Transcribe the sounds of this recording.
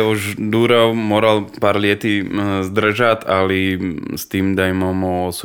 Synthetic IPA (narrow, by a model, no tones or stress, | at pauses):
uʒd̪uːɾaʊmɔɾalpaːɾlɪɛt̪izd̪r̩ʒat̪alist̪iːmd̪ajmɔmɔɔs